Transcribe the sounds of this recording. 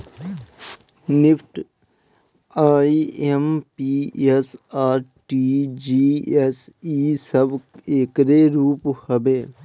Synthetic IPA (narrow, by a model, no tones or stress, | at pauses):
nɪfʰʈ | aːiempiːesaːɾʈiːd͡ʒiːesiːsəbeːkɾeːɾuːphəbeː